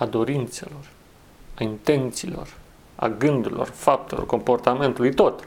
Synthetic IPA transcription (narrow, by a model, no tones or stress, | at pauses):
ad̪o̞ɾint̪se̞̰lo̞r | aint̪e̞nt̪siːlo̞̰r | a̰ɡɨnd̪uɾilo̞̰rfap̚t̪elo̞̰rko̞mpo̞rt̪ame̞nt̪ulujt̪o̞t̪